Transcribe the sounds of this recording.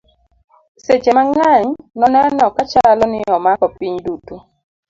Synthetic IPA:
sed͡ʒemaŋaɲnɔnɛnɔkat͡ʃalɔnɪɔmakɔpiɲdutu

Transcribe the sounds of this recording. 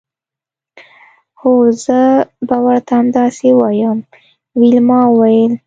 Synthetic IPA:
xozəbawaɾt̪aamd̪ɑsewɑjəm | wilmɑwajəl

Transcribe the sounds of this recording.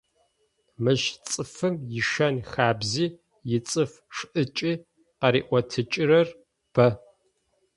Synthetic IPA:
mɨʒt͡sʼɨfɨmjɪʃɐnxaːbziː | jɪt͡sʼɨf | ʂʔɨt͡ʃʼiː | qɐɾḭːʔʷɐtʰɨt͡ʃʼɪrɐr | b̥ɐ

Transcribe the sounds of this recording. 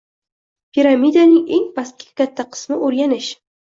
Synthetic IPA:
pʰʲiɾamid̪anɪŋeŋpaskʲʰɪ̥kʲat̪ʰːaqʰɨ̥smɪʔoɾɡʲanɪʃ

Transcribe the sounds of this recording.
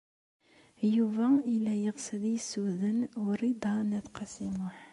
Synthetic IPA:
juvæilæjəʁsəðjəsuðənwəɾid̪ˤɑnæθqɑsimʊħ

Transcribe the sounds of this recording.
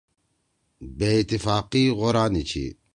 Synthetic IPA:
beit̪ːifaːqiːɣɔɾaːnit͡ʃʰḭ

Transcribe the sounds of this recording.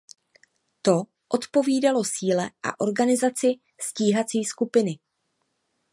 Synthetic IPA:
t̪o̞ | ʔo̞t̪po̞viːdalo̞siːlɛʔa̰ʔo̞ɾɡanɪzat͡sɪ | sciːɦat͡siːskupɪnɪ

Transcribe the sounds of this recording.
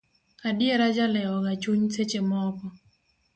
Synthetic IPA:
adjeɾad͡ʒalɛɔɡat͡ʃuɲset͡ʃemɔkɔ

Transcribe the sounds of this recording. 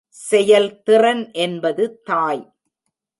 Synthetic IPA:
sɛjɐlt̪ɪrɐnʔɛnbɐðɯt̪aːj

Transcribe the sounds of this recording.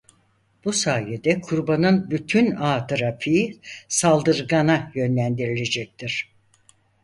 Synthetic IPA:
b̥usaːjed̪ɛkʰuɾbanɯnbyt̪ʰynaːt̪ʰɯɾapʰiːsalˠd̪ɯɾɡanajø̞nlʲænd̪iɾilʲe̞d͡ʒɛc̚t̪ʰiɾ̝̥

